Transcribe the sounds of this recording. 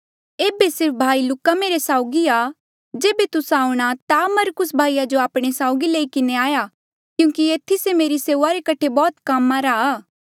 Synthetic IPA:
eːbesɪɾp̚ʰbʱaːilʊkːameːɾesaːʊɡia | d͡ʒeːbet̪ʊsãːũɽ̃at̪amɐɾkʊsbʱaːijad͡ʒoaːpɽ̃esaːʊɡileːikɪneaːja | kjũːkieːt̪ʰisemeːɾiseːʋaɾekɐʈʰebɔːt̪kamːaɾaaː

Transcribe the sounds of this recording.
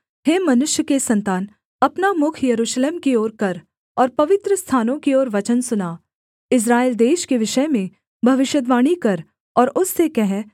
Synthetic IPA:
heːmɐnʊʃjəkesɐ̃nt̪aːn | ɐpnamʊkʰjɐɾuːʃleːmkioːɾkɐɾ | ɔːɾpɐʋɪt̪ɾəst̪ʰaːnõkioːɾʋɐt͡ʃənsʊnaː | ɪs̬ɾaːeːld̪eːʃkeʋɪʃəmẽ | bʱɐʋɪʃjəd̪ʋaːɽ̃ikɐɾ | ɔːɾʊsːekɛɦɛ

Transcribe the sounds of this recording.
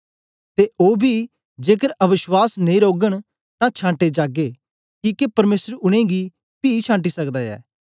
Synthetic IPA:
t̪eʔoːbʱi | d͡ʒeːkəɾɐʋɪʃwaːsnẽĩɾoːɡəɽ̃ | t̪ãt͡ʃʰãːɳʈed͡ʒaːɡe | kiːkepɐɾmeːsəɾʊɽ̃ẽːɡi | piːt͡ʃʰãːʈ̬isɐkd̪aːɛ̰ː

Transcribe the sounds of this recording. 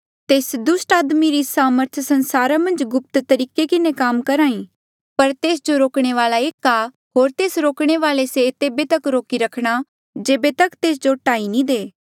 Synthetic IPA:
t̪eːsd̪ʊsʈaːd̪miɾisaːməɾt̪ʰsɐnsaːɾamɐ̃nd͡ʒɡʊp̚t̪t̪ɐɾiːkekɪnekaːmkɐɾaːĩ | pɐɾt̪eːs̬d͡ʒoɾoːkɽ̃eʋaːlaeːka | ɦoːɾt̪eːsɾoːkɽ̃eʋaːleset̪eːbet̪ɐkɾoːkiɾɐkʰɽ̃a | d͡ʒeːbet̪ɐkt̪eːs̬d͡ʒoʈaːinĩd̪eː

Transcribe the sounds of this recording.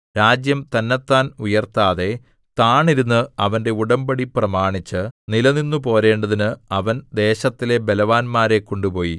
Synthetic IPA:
ɾaːd͡ʑjɐmt̪ɐnːɐt̪ːaːnujɐrt̪aːðe̞ | t̪aːɳiɾunːɨɐʋɐnde̞uɽɐmbɐɽiprɐmaːɳit͡ɕːɨnilɐninːupo̞ːɾe̞ːɳɖɐðinɨɐʋɐnd̪e̞ːɕɐt̪ːile̞belɐʋaːnmaːɾe̞kːo̞ɳɖupo̞ːji

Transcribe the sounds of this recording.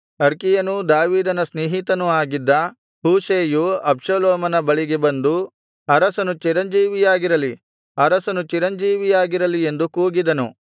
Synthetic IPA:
ɐɾkijɐnud̪aːʋiːd̪ɐnɐsneːɦit̪ɐnuaːɡid̪ːɐ | huːʃeːjuɐpʂɐloːmɐnɐbɐɭiɡe̞bɐnd̪u | ɐɾɐsɐnut͡ʃiɾɐnd͡ʒiːʋijaːɡiɾɐli | ɐɾɐsɐnut͡ʃiɾɐɲd͡ʒiːʋijaːɡiɾɐlie̞nd̪ukuːɡid̪ɐnu

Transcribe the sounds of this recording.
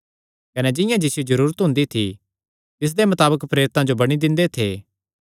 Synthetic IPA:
kɐnɛd͡ʒɪjãd͡ʒɪsjizɐɾuːɾət̪ɦʊ̃nd̪it̪ʰi | t̪ɪs̬d̪emɐt̪aːbəkpɾeːɾɪt̪ãd͡ʒobɐɽ̃id̪ɪ̃nd̪et̪ʰeː

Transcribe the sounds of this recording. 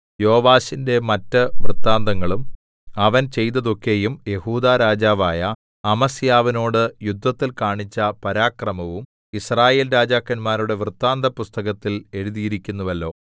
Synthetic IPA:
jo̞ːʋaːɕinde̞mɐtːɨʋrɨt̪ːaːnd̪ɐŋːɐɭum | ɐʋɐnt͡ɕe̞jt̪ːɐðo̞kːe̞jumje̞huːd̪aːɾaːd͡ʑaːʋaːjɐ | ɐmɐsjaːʋɐno̞ːɽɨjud̪ʱːɐt̪ːilkaːɳit͡ɕːɐpɐɾaːkrɐmɐʋum | israːje̞ːlɾaːd͡ʑaːkːɐnmaːɾuɽe̞ʋrt̪ːaːnd̪ɐpust̪ɐɣɐt̪ːile̞ɻuðijiɾikʲːunːuʋɐlːo̞ː

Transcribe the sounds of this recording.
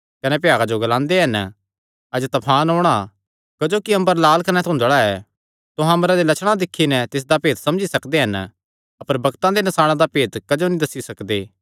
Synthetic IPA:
kɐnɛp̬ɪjaːɡad͡ʒoɡɐlãːnd̪eɦɐn | ɐd͡ʒt̪ɐpʰaːnɦoːɽ̃a | kɐd͡ʒoːkiɐ̃mbəɾlaːlkɐnɛt̪ʰɐ̃d͡ʒɐɽaɛ | t̪ʊɦãmɾad̪elɐt͡ʃʰɽ̃ãd̪ɪkʰːinɛ̃t̪ɪs̬d̪apeːt̪sɐ̃md͡ʒisɐkd̪eɦɐn | ɐpəɾbɐɡt̪ãd̪enɐsaːɭ̃ãd̪apeːt̪kɐd͡ʒonĩd̪ɐsːisɐkd̪eː

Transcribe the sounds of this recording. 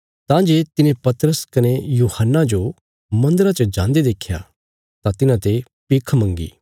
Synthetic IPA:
t̪ãːd͡ʒeːt̪ɪnẽpɐt̪ɾəskɐnejuːhənːad͡ʒo | mɐ̃nd̪əɾat͡ʃɐd͡ʒãːnd̪ed̪eːkʰja̰ | t̪ãt̪ɪnãt̪e | pɪkʰmɐ̃ŋɡḭː

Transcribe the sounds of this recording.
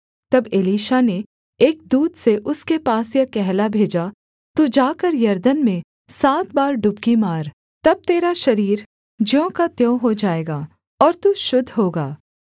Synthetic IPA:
t̪ɐbeliːʃane | eːk̚d̪uːd̪seʔʊskepaːsjakɛɦlabʱeːd͡ʒa | t̪ud͡ʒaːkəɾjɐɾd̪ənmẽ | saːt̪̚baːɾɖʊbkimaːɾ | t̪ɐb̚t̪eːɾaʃɐɾiːɾ | d͡ʒjõːkat̪jõːɦod͡ʒaːeːɡaː | ɔːɾt̪uʃʊd̪ʱɦoːɡaː

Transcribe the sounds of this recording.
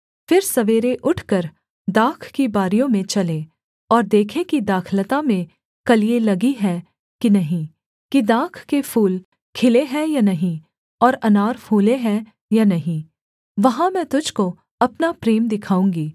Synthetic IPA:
fɪɾsɐʋeːɾeʔʊʈʰkəɾ | d̪aːkʰkibaːɾijõmẽt͡ʃɐlẽː | ɔːɾd̪eːkʰẽkid̪aːkʰlət̪amẽ | kɐlielɐɡiɦɛ | kinɐɦĩ | kid̪aːkʰkepʰuːl | kʰɪleɦɛjanɐɦĩ | ɔːɾɐnaːɾpʰuːleɦɛ̃ | janɐɦĩ | ʋɐɦãmɛ̃ːt̪ʊd͡ʒʱko | ɐpnapɾeːmd̪ɪkʰaːũːŋɡiː

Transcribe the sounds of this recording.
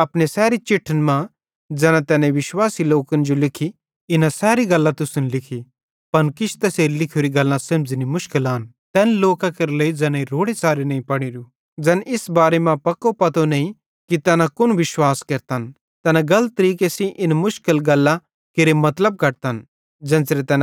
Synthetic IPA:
ɐpɽesɛːɾit͡ʃɪʈʰːənmã | d͡ʒɛːnat̪ɛːnẽʋɪʃwaːsiloːkənd͡ʒolɪkʰi | ɪnasɛːɾiɡɐlːat̪ʊsʊnlɪkʰi | pɐnkɪt͡ʃʰt̪ɐseːɾilɪkʰoːɾiɡɐlːãsɐmd͡ʒnimʊʃkɪlaːn | t̪ɛːnloːkãkɐɾleid͡ʒɛːnãiɾoːɽesaːɾinɐːĩpɐɽ̃iɾu | d͡ʒɛːnʔɪsbaːɾemãpɐkopɐt̪onɐ̃ĩ | kit̪ɛːnãkʊnʋɪʃwaːskɐɾt̪an | t̪ɛːnãɡɐlət̪ːɾiːkesĩʔɪnmʊʃkɪlɡɐlːã | kɪɾemɐt̪ləb̚kɐɽt̪an | d͡ʒɛ̃ːnsɾet̪ɛːn

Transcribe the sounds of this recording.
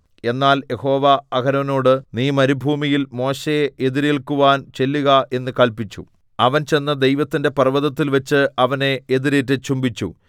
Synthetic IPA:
e̞nːaːlje̞ho̞ːʋɐɐɡʰɐnɐʋɐno̞ːɽɨniːmɐɾibʱuːmijilmo̞ːɕejeʔeðiɾeːɭkuʋaːnt͡ɕe̞lːuɣɐe̞nːɨkɐɭpit͡ɕːṵ | ɐʋɐnt͡ɕe̞nːɐd̪e̞jʋɐt̪ːinde̞pɐrʋɐðɐt̪ːilʋɐt͡ɕːɨʔɐʋɐne̞eðiɾeːtːɨt͡ɕumbit͡ɕːṵ

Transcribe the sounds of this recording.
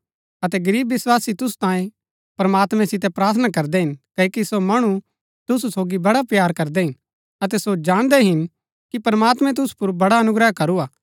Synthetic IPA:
ɐt̪ɛɡɐɾiːbːɪswaːsit̪ʊsu̥t̪ãːẽ | pɐɾɐmaːt̪mɛ̃sɪt̪̬ɛpɾaːt̪ʰənakɐɾd̪ɛɦɪnkɐikisomɐɽ̃u | t̪ʊsusoːɡibɐɽapjaːɾkɐɾd̪ɛɦɪn | ɐt̪ɛsod͡ʒaːɽ̃d̪ɛɦɪn | kipɐɾmaːt̪mɛ̃t̪̬ʊsu̥pʊɾbɐɽaɐnʊɡɾəɦkɐɾuaː

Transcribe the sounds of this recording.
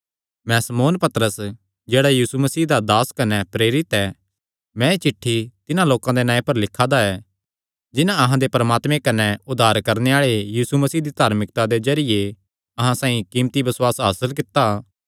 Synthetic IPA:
mɛ̃sɐmoːnpɐt̪ɾəs | d͡ʒeːɽajiːsumɐsiːd̪ad̪aːskɐnɛpɾeːɾɪt̪ɛ | mɛ̃et͡ʃɪʈʰːit̪ɪnãloːkãd̪enãːẽpɐɾlɪkʰːad̪aɛː | d͡ʒɪnãɐɦãd̪epɾɐmaːt̪mẽkɐnɛʊd̪ʱaːɾkɐɾneaːɭejiːsumɐsiːd̪it̪aːɾmɪk̚t̪ad̪ezɐɾije | ɐɦãsãːĩkiːmt̪ibɐswaːsɦaːsəlk̬ɪt̪ːa

